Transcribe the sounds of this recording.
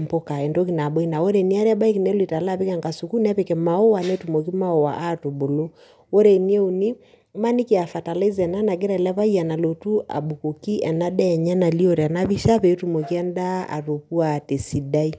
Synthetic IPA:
mpo˦ka˨ɛ˨ndo˦ki˨na˨ɓo˦i˦na˨wo˦ɾe˨ni˦a˦ɾɛ˦a˦ba˦i˦ki˨nɛ˦li˨ta˨la˦pe˦ka˨ŋɡa˨su˨ku˦nɛ˦pe˨kɛ˨ma˨o˦wa˨nɛ˦tu˨mo˨ki˦ma˦o˨wa̰˨ʔa˦to˨bo˨lo˦ | o˦ɾe˨ni˦e˦u˨ni˦ | ma˦ni˦ki˨a˨fa˨ta˨la˦i˦zɛ˨na˦na˨ɡɛ˦ɾa˨lɛ˦βa˦ia˨na˨lo˨tu˦a̰˨ɓu˨ko˨ki˦ʔɛ˨na˦dɛ˦˨ɲa˦na˨li˦o˦˨ɾe˨a˨na˦βi˦ʃa˦pɛ˨˦tu˦˨mo˨ki˦ɛ˦nda˦a̰˨ɾo˨pu˦a˨te˨si˨da˦i˦

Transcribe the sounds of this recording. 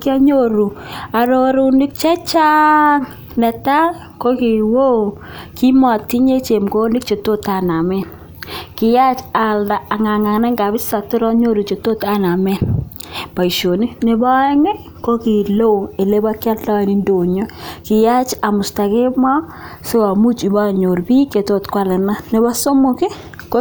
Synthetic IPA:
kja˦ɲo˦ɾu˨a˨ɾo˦ɾu˦nɪ˦k̚t͡ʃɛ˦t͡ʃa˦ŋ | nɛ˨ta˦ | ko˦ki˨wo˦˨ | ki˦mɔ˨tːi˦ɲe˦t͡ʃe˨mko˦nɪ˦k̚t͡ʃe˨to˦ta˨na˨mɛ˦ | kɪ˨ja˦t͡ʃa˨ldaː˨ŋa˨ŋa˨ŋna˦ŋɡa˨βɪ˦sa˨tu˦ɾɔ˦ɲo˦ɾu˨t͡ʃe˨to˦ta˦na˨mɛ˦ | pa˨i˨ʃo˨ni˦ne˨ba˦ɛ˦ŋe˦ | ko˦ki˨lo˦˨e˨le˦ba˦kja˦lla˦˨ni˦ndo˨ɲo˦kɪ˨ja˦t͡ʃa˨mʊ˨sta˨ke˦ma˦ | se˦a˨mu˦t͡ʃi˨ba˦˨ɲo˨ɾbi˦ke˨to˦tkwa˦˨lɛ˨na˦ne˨ba˦so˦mo˨kɪ˦ | ko˦

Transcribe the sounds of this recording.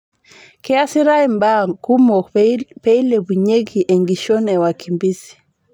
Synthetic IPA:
kɛasi˦ɾaimba˦kumɔ˨kpɛi˦lɛβu˨ɲe˦ɡiʔɛ˨ŋɡi˨ʃɔ˦nɛ˨wakimbisi̥˨

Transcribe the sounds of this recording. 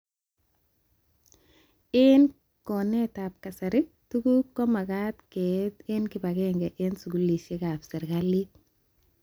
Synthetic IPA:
ɪn | kɔnɛ˦tap̚ka˨sa˨ɾɪ˦ | tu˦ku˦kːɔ˦ma˨ka˦tkɛtɪ˦nki˨ba˨kɛ˦ŋɡɛ˨ʔɪnsu˨ɡu˨˦li˨ʃe˦ka˨psɛ˨ɾkali˦t̚

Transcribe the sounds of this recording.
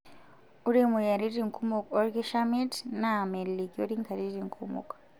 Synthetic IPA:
u˦ɾi˦mu˨ja˨ɾi˦ɾi˨ŋku˦mo˨kɔ˦ɾɡi˦ʃami˦tna˨me˨lli˨ko˦ɾi˦ŋka˨ɾi˦ɾiŋkʰṵmṵ˨k

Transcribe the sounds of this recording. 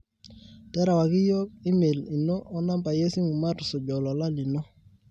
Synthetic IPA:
tɛ˦ɾa˨wa˨kɪ˦jɔ˦k̚i˦me˨li˨nɔ˦ʔːna˦mba˨je˦si˦mu˨ma˦ɾsʊ˨d͡ʒɔ˨lɔ˨la˦lɪ˨nɔ˦

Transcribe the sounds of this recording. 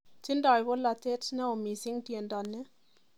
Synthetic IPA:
ti˦ndɔ˨jbo˦la˨te˦tnɛ˦o˨mi˨sɪ˦ŋtje˨ndɔ˨nːɛ˦

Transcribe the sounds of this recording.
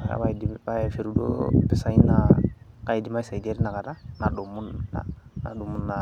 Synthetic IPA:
a̰˨ba˦diba˦˨fe˨ɾu˦do̰˦pɪ˨sa˦i˦na˨ka˦i˨di˨ma˦i˦sa˨i˨de˦ɾna˨ka˨da˦na˨ɗo˨mu˦na̰˨na̰˨du˨mu˦nːa˨

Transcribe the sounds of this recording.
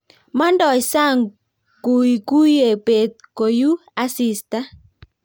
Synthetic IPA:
ma˦ndɔ˨sa˦˨ŋ | ku˨i˨ku˦je˨pe˨t̪̚ko˨ju˦a˦si˨sta˦

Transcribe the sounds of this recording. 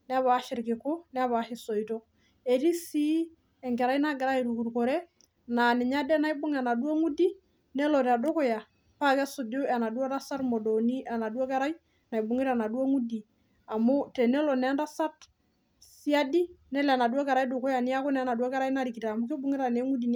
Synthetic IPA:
n˦a˦βa˨˦ʃɪ˨ɾkɪ˨ko˦n˦a˦βa˨˦hɪ˨sɔ˨i˨tɔ˦ | e˨ɾi˦si˦ | ɛ˨ŋɡɛ˨ɾa˦i˦na˦ɡɪ˨ɾa˦i˨ɾu˨ku˨ɾko˨ɾɛ˦ | na˨nɪ˨ɲa˦dɛ˦na˦i˦bʊ˦ŋa˨na˨du˦o˦ŋu˦di˦ | ne˦lɔ˨ɾa˨do˦ko˦ja˨ | pa˦kɛ˦sʊ˨do˦a˨na˨du˦ɔ˦ɾa˦sa˦ɾmo˨dɔ˨ni˦a˨na˨dwo˦kɛ˦ɾa˦i˦ | na˨i˨bʊ˨ŋe˦ɾa˨na˨do˦ŋu˦di˨ | a˨mʊ˦tɛ˨ne˦lɔ˨nɛ˦nda˦sa˦t | si˦a˦di˦nɛ˦la˨na˨dwɔ˦kɛ˨ɾa˦i˦dʊ˨ko˦ja˨nɪ˦a˦ko˦nɛ˨˦na˨dwo˦kɛ˦ɾa˦i˦na˦ɾi˨ki˨ta˨mʊ˦ke˦bʊ˦ŋɪ˦ɾa˨ne˨˦ŋu˦di˨n

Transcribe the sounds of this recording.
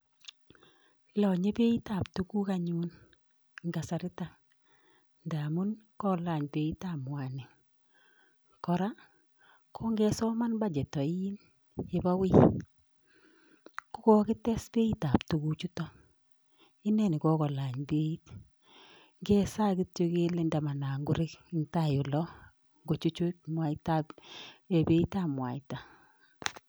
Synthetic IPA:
lɔ˨ɲe˦pe˦i˦ta˨ptu˨ku˦ka˦ɲu˦n | ŋɡa˨sa˨ɾɪ˦ta˨ | nda˨mu˦nkɔ˦la˨ɲbe˨i˦ta˨mwa˨nɪ˨ | kɔ˨ɾa˦ | kʰo˦ŋɡɛ˦sɔ˦ma˦nba˦d͡ʒɛ˨tɔ˨i˦n | je˨ba˦wɪ˦ | ku˦kɔ˦kɪ˦tɛ˦sbe˦i˦ta˨ptu˨ku˨t͡ʃu˦tɔ˦ | i˦nɛ˦˨ni˨kɔ˦kɔ˨la˨ɲbe˦i˦t | ŋɡe˦sa˦ki˦tjo˦ke˦le˦nda˨ma˨na˨ŋɡʊ˦ɾɪ˦ki˦nta˦˨jo˨lɔ˦ | ŋɡo˨t͡ʃu˦t͡ʃo˦t̚mwa˨i˦ta˦pe˨be˦i˦ta˦˨mwa̰˨i˨ta˨

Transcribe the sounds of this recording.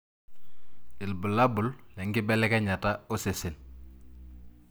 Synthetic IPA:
i˨lbu˨labu˨llɛ˨ŋɡi˦bɛlɛ˦keɲa˨tao˦se˨si˨l

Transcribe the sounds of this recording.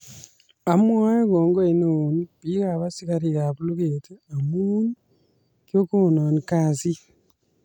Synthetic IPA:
a˨mwa˦je˦ɣoː˨ŋɡoi˨no˨niβi˦ɣa˨βasi˦ka˦ɾi˨ɣa˨βulu˦ɣeti˦a˨mu˦ni | kjo˦kuo˨no˨nikaːsi˦

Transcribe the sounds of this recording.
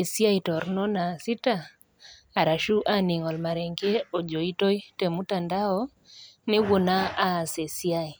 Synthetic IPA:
e˨sja˦i˨tɔ˨ɾnɔ˦na˨sɪ˦taː˦˨ | ɾa˨ʃu˦ʔa˦ni˨ŋɔ˨lma˨ɾɛ˨ŋɡe˦o˨d͡ʒo˨i˦to˦i˦te˨mu˦ta˨nda˦ɔ˦ | nɪ˦wo˨na˦a˦˨se˨sja˦i˨

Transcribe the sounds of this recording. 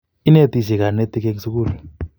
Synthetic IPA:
i˦ne˦˨ti˨si˨ka˨ne˦tʼi˦k̬e˦ŋ˦su˦k̬uː˦˨lɛ˨

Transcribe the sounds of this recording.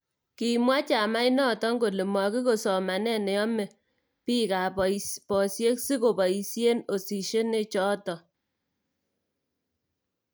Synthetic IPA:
ki˨mwa˦t͡ʃa˨ma˦i˦nɔ˦tɔ˦ŋɡo˨le˨mwa˨ki˦ko˨sɔ˨ma˨nɛ˦nɛ˨jɔ˦me˨ | pi˦ka˨ppɔ˨sje˦ksi˦ko˨bɔ˨i˨sje˦no˨si˨ʃe˦ne˦t͡ʃɔ˦tɔ˨

